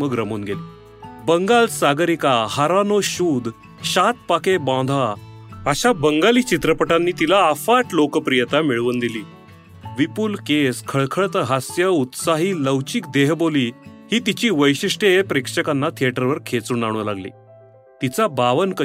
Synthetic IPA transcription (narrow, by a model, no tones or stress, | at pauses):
məɡɾəmuːnɡeliː | bəŋɡalsaɡɾikahaɾanoɕuːd̪ | ɕat̪̚pakebãd̪ʱa | əɕabəŋɡaliːt͡ɕit̪ɾəpəʈanːiːt̪ilaːfaʈlokəpɾijət̪amiɭʋuːnd̪iliː | ʋipuːlkeskʰəɭkʰəɭt̪əɦasjəut̪saɦiːləwt͡ɕiːkd̪eɦboliːhiːt̪it͡ɕiːʋəjɕiʂʈepɾekʂəkanːat̪ʰijeʈəɾʋəɾkʰet͡suːnaɽ̃ũlaɡlḭː | t̪it͡sabaʋənkə